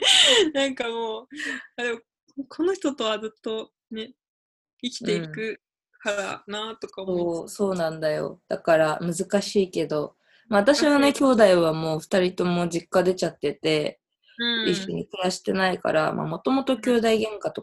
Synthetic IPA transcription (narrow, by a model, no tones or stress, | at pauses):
nãŋkamoːaɾeo | kʰo̞no̞çi̥t̪o̞t̪o̞βazɨt̪ːo̞ | ne̞ | ikʲi̥e̞ikɯ̟ | kaanat̪o̞kaoso̞ːnãnd̪ajo̞̰d̪̥akaɾamɯ̟zɨkaɕiːke̞d̪o̞ | maβat̪aɕiβane̞kʲo̞ːd̪aiβamo̞ːɸɯ̥t̪aɾʲit̪o̞mo̞d͡ʑikːad̪e̞t͡ɕat̪ːe̞t̪e̞ | ɯ̃iɕːo̞ɲ̟ikɯjaɕi̥t̪e̞naika̰ɾa̰mʔa̰mo̞t̪o̞mo̞t̪o̞kʲoːd̪aiɡẽ̞ŋkat̪o̞